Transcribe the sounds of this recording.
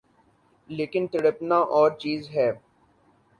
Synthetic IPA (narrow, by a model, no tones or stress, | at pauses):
leːkɪnt̪ɪɽəpnaʔɔːɾt͡ʃiːzɦɛː